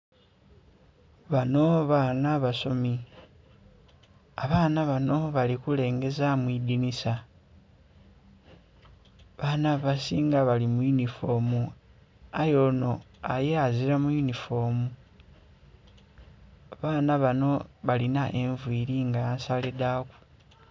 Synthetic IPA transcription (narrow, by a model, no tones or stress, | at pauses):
βano̞βanaβaso̞mi | aβaːnaβano̞βalikule̞ːŋɡe̞zamwiːd̪inisa | βanaβasiːŋɡaβalimujunifo̞mu | ajo̞no̞ajeaziɾamujunifo̞mu | aβaːnaβano̞βalinaʔe̞ɱvwiːɾiŋɡaansaledaku̥